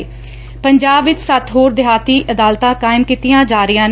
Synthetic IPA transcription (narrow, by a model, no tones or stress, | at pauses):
pəɲd͡ʒaːbʋɪt͡ʃsət̪ɦoːɾd̪ɪɦaːt̪iːʔəd̪aːlt̪ãːkaːɪmkiːt̪ɪjãːd͡ʒaːɾɪjãːn